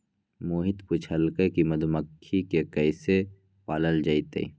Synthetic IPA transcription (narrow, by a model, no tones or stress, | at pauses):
moːɦɪt̪pʊt͡ʃʰəlkəkimɐd̪uməkʰːikekɐɪse | paːləld͡ʒaːit̪ḛḭ